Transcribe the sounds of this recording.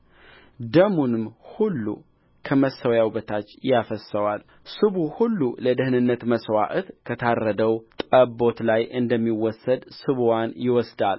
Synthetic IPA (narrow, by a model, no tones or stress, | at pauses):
d̪əmunɨmhulːṵ | kʰəməsəwjawbət̪ʰat͡ʃːjafəsəwal | sɨβuhulːuləd̪əhnɨnːət̪məswaʔt̪kʰət̪ʰarːəd̪əwt̪ʼəbːo̞t̪lajʔɨnd̪əmːiwɔsːəd̪sɨβwanjɪwɔsd̪al